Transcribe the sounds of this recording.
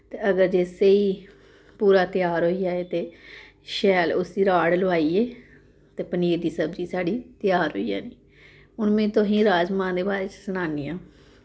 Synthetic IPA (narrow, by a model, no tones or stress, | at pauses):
t̪eːəɡəɾd͡ʒeːseiː | puːɾaːt̪ɪjaːɾɦoːiːjaːeːt̪eː | ʃɛːlʊsiːɾaːɽloaːiːeː | t̪eːpəniːɾd̪iːsəbd͡ʒiːsaːɽiːt̪ɪjaːɾɦo̰ːija̰ːniː | ʊnmẽːt̪õɦĩːɾaːd͡ʒmãːnd̪eːbaːɾeːt͡ʃsənaːniːaː